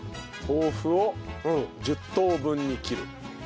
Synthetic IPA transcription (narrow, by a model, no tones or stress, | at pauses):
hoːɸɯ̟o | d͡ʑɨt̪ːoːbɯ̃ɲːikʲiɾɯ̟̰